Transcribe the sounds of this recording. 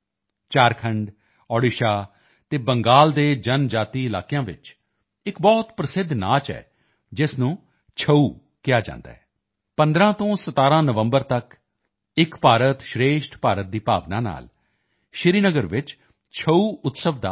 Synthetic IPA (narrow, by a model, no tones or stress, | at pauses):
t͡ʃaːɾkʰəɳɖ | ɔːɽɪʃaː | t̪eːbəŋɡaːld̪eːd͡ʒənd͡ʒaːt̪iːɪlaːkɪjãːʋɪ̰t͡ʃ | ɪkbɔːt̪pɾəsɪd̪ʱna̰ːt͡ʃɛ̰ː | d͡ʒɪsnũː | t͡ʃʰəuː | kɪjaːd͡ʒã̰ːnd̪a̰ːɦɛː | pənd̪ɾãːt̪õːsət̪aːɾãːnəʋə̃mbəɾt̪ək | ɪkpaːɾət̪ʃɾeːʃʈpaːɾət̪̚d̪iːpa̰ːʋnã̰ːna̰ːl | ʃɪɾiːnəɡəɾʋɪt͡ʃ | t͡ʃʰəuːʊt̪səʋd̪a̰ː